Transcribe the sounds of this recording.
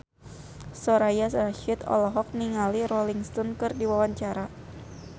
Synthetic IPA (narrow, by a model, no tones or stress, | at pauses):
sɔɾajasraʃɪt̪ɔ̰lɔɦɔk̚niŋalirɔliŋst̪ɔnkɨrdiwawaɲt͡ʃaɾa